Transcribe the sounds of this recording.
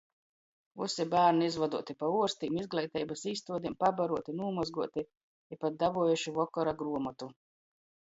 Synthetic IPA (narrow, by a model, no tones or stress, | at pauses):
ṵsibæːɾniizvad̪uɔt̪ipauɔɾst̪iːmizɡlˠɛjt̪ɛjbasiːst̪uɔd̪impabaɾuɔt̪inuːmɔzɡuɔt̪i | ipat̪̚d̪avuɔjuʃivɔkɔɾaɡɾuɔmɔt̪u